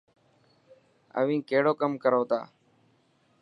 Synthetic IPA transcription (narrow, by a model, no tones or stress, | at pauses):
ə̰ʋĩːkeːɽoːkəmkəɾoːt̪a̰ː